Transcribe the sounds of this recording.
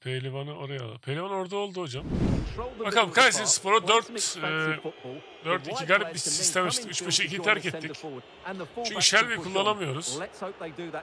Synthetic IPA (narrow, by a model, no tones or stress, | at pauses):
pʰejlʲevanɯo̞ɾaja̰lˠa̰pʰelʲevano̞ɾd̪ao̞lˠd̪uɦo̞d͡ʒam | bakalˠɯmkʰajsinspʰo̞ɾad̪øɾt̪ː | d̪øɾt̪icʰiɡajlʲɛp̪̚bisist̪ʰɛmɛt͡ʃɯ̥lɯkyt͡ʃbɛʃiicʰit̪ʰæɾcɛt̪ʰːiːc | t͡ʃʰyɲʲcʰyʃælʲvijkʰulˠːanˠamɯjo̞ɾuz̥